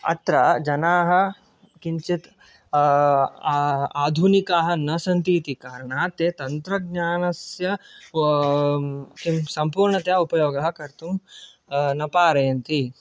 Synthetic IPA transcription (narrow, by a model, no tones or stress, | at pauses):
ɐ̰t̪ɾɐd͡ʒɐnaːɦɐ̆ | kiɲt͡ʃit̪ | aːd̪ʱunikaːɦɐ̆nɐsɐnt̪iːt̪ikaːɾɐɳaːt̪eːt̪ɐnt̪ɾɐɡ̚ɲaːnɐsjɐ | kimsɐmpuːɾɳɐt̪jaupɐjoːɡɐɦɐ̆kɐɾt̪um | nɐpaːɾɐjɐnt̪i